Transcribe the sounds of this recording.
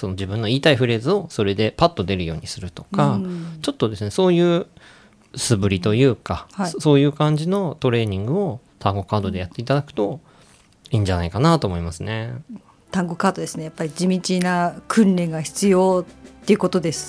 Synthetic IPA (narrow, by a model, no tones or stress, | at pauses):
so̞nod͡ʑibɯ̟̃nːo̞iːt̪aiɸɯ̟ɾe̞zɨo̞so̞ɾe̞d̪e̞pat̪ːo̞d̪e̞ɾɯ̟jo̞ːɲ̟isɨɾɯ̟t̪o̞̥kat͡ɕo̞t̪ːo̞d̪e̞sɨne̞so̞ːjɯ̟ː | sɨbɯ̟ɾʲit̪o̞jɯ̟ːkahso̞ːjɯ̟ːkãɲ̟d͡ʑino̞t̪o̞ɾe̞ːɲ̟ĩŋɡɯ̟o̞ | t̪ʰãŋɡo̞kaːd̪o̞d̪e̞jat̪ːe̞it̪ad̪akɯ̟̥t̪o̞ | iːɲ̟d͡ʑanaikanat̪o̞ːmo̞imasɨne̞ | t̪ãŋɡo̞kaːd̪o̞d̪e̞sɨne̞japːaɾʲid͡ʑimʲit͡ɕinakʰɯ̟̃nɾẽ̞ŋɡaçi̥t͡sɨjo̞ːt̪ːe̞jɯ̟ko̞t̪o̞d̪e̞sɨ̥